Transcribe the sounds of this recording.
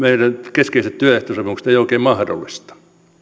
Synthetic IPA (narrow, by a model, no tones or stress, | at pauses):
meirænkeskeiset̪t̪yæeht̪osɑpimuksĕ̥t̪eijoˑikeːmɑhdo̰lːist̪ɑ̥